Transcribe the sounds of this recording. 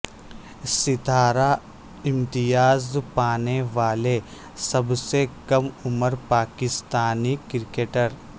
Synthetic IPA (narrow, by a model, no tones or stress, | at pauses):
sɪt̪aːɾa | ɪ̃mt̪ɪjaːzpaːneʋaːle | sɐbsekɐmʊməɾpaːkɪst̪aːnikɪɾkeːʈəɾ